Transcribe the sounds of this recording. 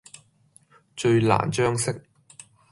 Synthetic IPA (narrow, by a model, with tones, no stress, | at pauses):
t͡ʃɵ˧ɥla̰ː˨˩nt͡ʃœː˥ŋsɪ˥k̚